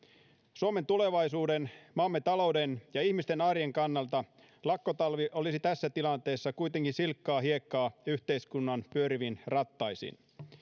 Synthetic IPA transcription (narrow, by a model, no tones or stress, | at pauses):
suome̞nt̪ule̞ʋɑjsuːdenmɑmːet̪ɑlo̞wdenjɑihmist̪e̞nɑrjeŋkɑnːɑlt̪ɑ | lɑkːo̞t̪ɑlʋiʔo̞lisit̪æsːæt̪ilɑnt̪e̞ːsːɑkujt̪e̞ŋkinsilkːɑːɦie̞kːɑːyçt̪e̞iskunːɑnpyøɾiʋinrɑt̪ːɑjsḭn